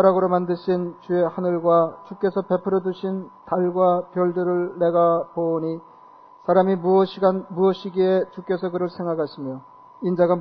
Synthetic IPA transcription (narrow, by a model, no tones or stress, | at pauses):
aɾaɡɯɾomandɯɕʰint͡ɕue̞hanɯɭɡwat͡ɕuk͈e̞sʰʌpe̞pʰɯɾoduɕʰintaɭɡwapjʌɭdɯɾɯɭːe̞ɡapoɲi | sʰaɾamiuʌɕʰiɡanmuʌɕʰiɡiet͡ɕuk͈e̞sʰʌkɯɾɯɭsʰe̞ŋɡakʰaɕʰimjo | ind͡ʑaɡa